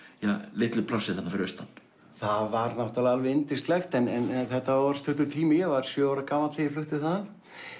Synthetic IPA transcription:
jalɪht̪lɪplawsɪθanːafɪɾɪɾst̪anː | θaðvaɾnaht̪alalvɪɪnt̪ɪst̪lɛxt̪ɛnɛnɛθɛht̪ːaɔɾ̥st̪ʰʏht̪ʏt̪ʰiːmɪjvaɾ̥sjœaɾakaːmat̪ɪjɪflʏht̪ɪ̥θað

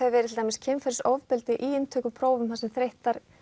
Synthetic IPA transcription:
ɛvɛɾɪt̪ʰɪlt̪aːmɪscʰɛːmfɛɾsɔwvpɪlt̪ɪʔiːɪnt̪ʰœːkʏpʰɾoːwvʏmhansɛmθɾeht̪aɾ̥

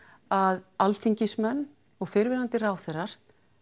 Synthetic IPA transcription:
aðalt̪ʰiɲcɪsmɛnː | ɔɣfɪɾvɪlant̪ɪraːwθɛraɾ̥

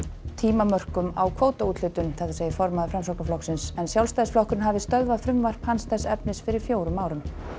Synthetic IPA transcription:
t̪ʰiːmamœr̥kʏmawkʰvoːwt̪auːt̪lʏt̪ʏnθaθaseːjɪfɔɾmaðʏfɾamsɔwknaflɔksɪnsɛnsjawlst̪aːsflɔhkɾʏɪnɦaːvɪst̪œðvafɾʏmvar̥phanst̪ɛsɛpnɪsfɪɾɪɾ̥fjoːwɾʏmaːwɾʏm

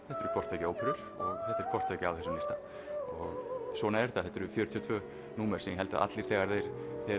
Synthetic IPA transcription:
θɛht̪ɛɾkʰvɔrt̪ʰœcɪoːwpʰʏɾʏɾ̥ | ɔɣθɛt̪ːɛɾkʰvɔrt̪ʰœcɪawθɛsːʏmnɪst̪a | ɔɣsvɔːnaɛɾt̪aðθɛht̪ɛɾʏfjœːɾʏt̪ʰjɔt̪vœː | nuːmɛɾ̥sɛmjɛɦɛlt̪a̰ʔa̰t̪liɾ̥θɛːɣaɾðejɾ̥θɛː

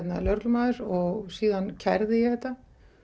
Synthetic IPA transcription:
t̪nalœɾklʏmaːðʏɾɔɣsiːðancʰɛ̰ɾðɪjɛhθɛht̪ːa

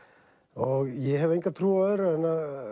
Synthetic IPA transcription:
ɔɣjɛɦɛvejŋkat̪ʰɾuːaðʏɾɛnːa

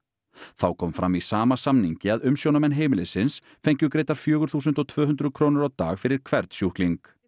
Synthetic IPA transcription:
θawkʰɔːmfɾa̰mːisaːmasamniɲcɪaðʏmsjownamɛnɦeːjmɪlɪsɪns | fejɲcʏkɾeːjt̪aɾ̥fjœːɣʏɾ̥θuːs̬ʏnt̪ɔt̪ʰvœːɦʏnd̪ɾʏðkʰɾoːwnʏɾawt̪a̰ːɣfɪɾɪɾ̥kʰv̥ɛɾt̪sjuhkliŋk

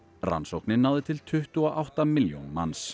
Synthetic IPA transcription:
ra̰nsowknɪnːawðɪt̪ʰɪlt̪ʰʏht̪ʏɔʔawht̪amɪljo̰nma̰ns

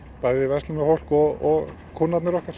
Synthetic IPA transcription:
paːjðɪvɛst̪ɪmɛfowl̥kɔɔɣ | kʰʊnːat̪nɪɾɔhkaɾ̥

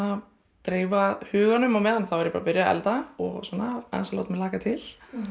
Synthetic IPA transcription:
a | t̪ɾeːjvahʏːɣanʏmawmɛðanθawɛɾjɪpaːɾapʏɾjaɛ̰lt̪aɔ̰ɣsɔːnːaa̰nsala̰t̪mɛlaːkat̪ʰɪl̥

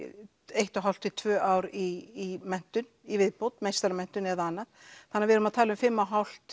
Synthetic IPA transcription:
ejht̪aɦawl̥t̪ɪt̪ʰvœːʔaːwɾiːmɛn̥t̪ʏnivɪðpowt̪mejst̪aɾamɛn̥t̪ʏnɛðaanːaðθanːaɾvɪɛɾʏmaðt̪ʰaːlʏmfɪmːaɦawl̥t̪

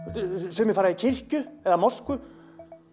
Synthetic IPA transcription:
sɛmɪfaːɾaicʰɪr̥cʏɛðamɔrskʏ

